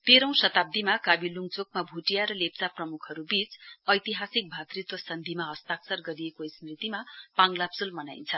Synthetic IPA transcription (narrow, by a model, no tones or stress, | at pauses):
p̪eɾʌ̃w̃sʌt̪ab̚d̪imakabiluŋt͡sokmabʱuʈijaɾʌlep̚t͡saprʌmukʰʌɾubit͡sʌjt̪iɦasik̚bʱat̪rit̪wʌsʌnd̪ʱimaɦʌst̪aksʌrɡʌɾijekoismrit̪imapaŋlapsulmʌnajnt͡sʰʌ